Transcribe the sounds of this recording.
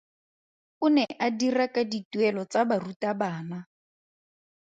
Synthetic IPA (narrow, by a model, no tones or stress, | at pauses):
ʊnɛʔadirakʼadituɛlɔt͡sabarutabaːna